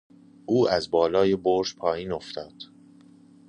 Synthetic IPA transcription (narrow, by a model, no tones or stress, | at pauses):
ʔuːæzbɒːlɒːjeboɾʒpʰɒːjiːno̞ft̪ʰɒːd̪̥